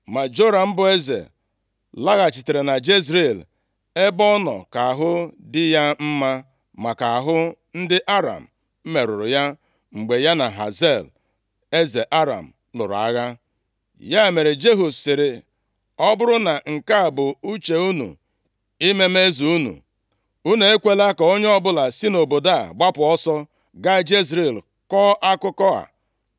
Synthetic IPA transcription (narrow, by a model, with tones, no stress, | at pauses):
ma˨d͡ʒo˦ɾa˨m̩˦bʊ˨e˦zḛ˨ | la˦ɣa˨t͡ʃi˨te˨ɾe˨na˨d͡ʒe˦z̬ɾe˦˨l | e˦bɔ˦nɔ̰˨ka˨a˨ɦʊ˦dɪ˦ja˦m̩˦ma˦ | ma˨ka˨a˨ɦʊ˦n̩˦dɪ˦ʔa˦ɾa̰˨m̩˨ | m̩˦me˨ɾʊ˨ɾʊ˨ja˦ | ŋ͡m̩˨ɡ͡be˨ja˦na˨ɦa̰˨ze˦˨l | e˦ze˨ʔa˦ɾa̰˨m̩˨ | lʊ̰˨ɾa˦ɣa˦ | ja˦e˨me˨ɾɪ˨d͡ʒe˦ɦu˨sɪ˨ɾɪ˨ | ɔ˦bʊ˦ɾʊ˦na˨ŋ̩˨ka˦a˨bʊ˨u˦t͡ʃe˨u˦nṵ˨ | i˦me˦me˦zu˨u˦nṵ˨ | u˦ne˨e˦kʷe˦la˦kɔ˨o˦ɲ˦ɔ˦bʊ˦la˨si˦no˨bo˨da̰˦˨ɡ͡ba˦pʊ˨ɔ˦sɔ˦ | ɡa˦d͡ʒi˦zɾe˦˨l | kɔː˦ʔa˦kʊ˦kɔ˦a̰˨